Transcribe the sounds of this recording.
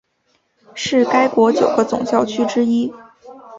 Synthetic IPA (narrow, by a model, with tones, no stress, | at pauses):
ʂɻ̩˥˩ka˥ɪkwɔ˧˥t͡ɕjo˨˩ʊɡə˦t͡sʊ̰˨˩ŋɕjɑ˥˩ʊt͡ɕʰy˥ʈ͡ʂɻ̩˥i˥